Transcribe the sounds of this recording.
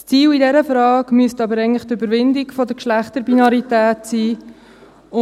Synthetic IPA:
st͡siːlidɛɾəfɾɑːɡmyəstɑbəɾɛɪŋntləχt̪ʏbəɾʋɪndɪɡfɔdəkʃlæχt̪əɾbinɑɾitæːtsiː | ʊ

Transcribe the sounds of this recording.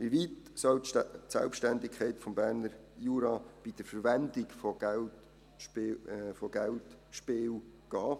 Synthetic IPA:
ʋiʋitsɔltsɛ̰lpʃtændɪkʰχɛɪtfɔmbæːɾnəɾjuːɾɑb̥id̥əfəɾʋɛnd̪ɪkfɔɡ̥ɛlt | pːfɔɡ̥æltʃpɪːw | ɡ̥ɑː

